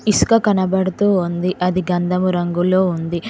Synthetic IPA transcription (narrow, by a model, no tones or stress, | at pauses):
iskɐkɐnɐbɐɽɐt̪uːund̪iʔɐd̪iɡɐnd̪ɐmuɾɐŋɡulo̞ːund̪i